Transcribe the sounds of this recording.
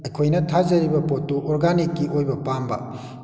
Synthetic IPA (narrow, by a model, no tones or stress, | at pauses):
ejkʰojnɐtʰazɐɾibɐpotːuʔɔɾɡanikːiojbɐpambɐ̰